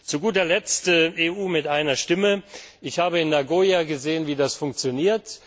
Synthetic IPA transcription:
t͡suɡuːtɐlɛt͡stəʔeːʔuːmɪtʔaɪnɐʃtɪməʔɪçhaːbəɪnːaɡoːjaɡəzeːənviːdasfʊŋk̚t͡sjoniːɐt

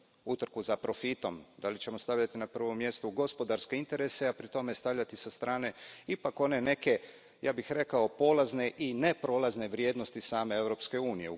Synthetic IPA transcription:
ut̪r̩kuzapɾo̞fit̪o̞md̪alit͡ɕe̞mo̞st̪aʋʎat̪inapr̩ʋo̞mːje̞st̪uɡo̞spo̞d̪aɾske̞int̪e̞ɾeseapɾit̪o̞mest̪aʋʎat̪isast̪ɾaːne̞ipako̞ne̞ne̞ke̞ | jaːbixɾe̞kao̞po̞lazne̞ʔinepɾo̞ːlazneʋɾje̞ːd̪nost̪isaːme̞e̞ʋɾo̞pske̞uːnije̞

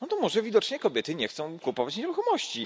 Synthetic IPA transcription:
nɔt̪ɔmɔʐɛvʲid̪ɔt͡ʂɲɛkɔbʲjɛt̪ɘɲɛxt̪sɔ̃w̃kupɔvat͡ɕɲeɾuxɔmɔɕt͡ɕi

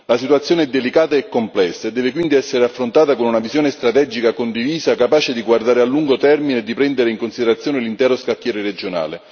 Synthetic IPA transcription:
lasit̪wat̪sːjoːneɛd̪elikaːt̪aekːomplɛsːad̪ɛːvekwind̪iɛsːeɾeafːɾont̪aːt̪akonunavizjoːnest̪ɾat̪ɛd͡ʒikakond̪iviːzakapaːt͡ʃed̪iɡward̪aːɾealːuŋɡot̪ɛrmineed̪ːipɾɛnd̪eɾeiŋkonsid̪eɾat̪sːjoːnelint̪ɛːɾoskakːjɛːɾeɾed͡ʒona̰ːle

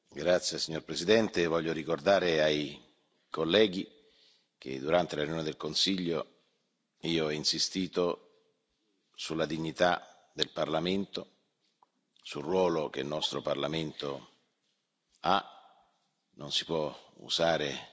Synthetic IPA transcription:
ɡɾat̪sːjesiɲːorpɾesid̪ɛnt̪evɔʎːoɾikord̪aːɾeaj | kolːɛːɡi | k̟ḛd̪uɾant̪elarjunoːned̪elkonsiʎːo | iːoinsist̪iːt̪o | sulːad̪iɲːit̪a | d̪elparlament̪o | sulrːwɔːlok̟elnɔst̪ɾoparlament̪o | a | nonsi̥pwɔṵzaːɾe

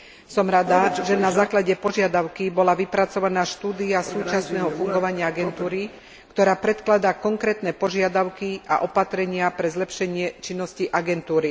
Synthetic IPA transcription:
sɔmɾad̪aʒɛnazaːklaɟɛpɔʒɪad̪aʊkibɔlaʋipɾat͡sɔʋanaːʃt̪uːd̪iasuːt͡ʃasnɛːɦɔfuŋɡɔʋaɲɪaaɡɛnt̪uːɾi | kt̪ɔɾaːpɾɛt̪klad̪akɔŋkɾɛːt̪nɛpɔʒɪad̪aʊkia̰ʔɔpat̪ɾɛɲɪapɾɛzlɛpʃɛɲɪɛt͡ʃinːɔsciʔaɡɛnt̪uːɾi

